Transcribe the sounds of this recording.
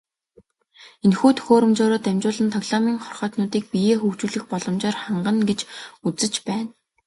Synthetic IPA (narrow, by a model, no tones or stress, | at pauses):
enxuːt̪ʰxoːɾɵ̆mt͡ɕʊːɾʊːt̪æmʲt͡ɕʊːɮə̆nt̪ʰɔɣɮamiːŋχɔrχœːt̪nʊːt̪iːk̚pijeːxuːkt͡ɕuːɮɘ̆xpɔɮɞ̆mt͡ɕaːrχaɴɢə̆nɡet͡ɕut͡sɘ̆t͡ɕpæːn